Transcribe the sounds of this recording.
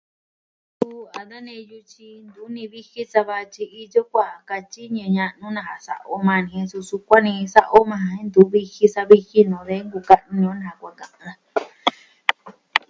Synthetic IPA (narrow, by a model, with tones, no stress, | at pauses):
su˧a˨d̪a˦nẽ˧ju˧t͡ʃi˧nd̪u˨˦nĩ˧βi˦hi˦sa˧βa˧t͡ʃi˧i˧jo˦kʷa˦˨˧ka˧t͡ʃi˦ɲẽ˧ɲã˧ʔnũ˦nã˧ha˨sa̰˨ʔo˦mã˧nĩ˧˨ẽ˧su˧su˧kʷa˦nĩ˧sa˦˧ʔo˦mã˧hã˧hẽ˦nd̪u˨˦βi˦hi˦sa˧βi˧hi˦nõ˨ðe˦ŋɡu˧ka˧ʔnũ˧nĩ˧õ˦nã˧hã˧˨kʷa˧kã˧ʔã˧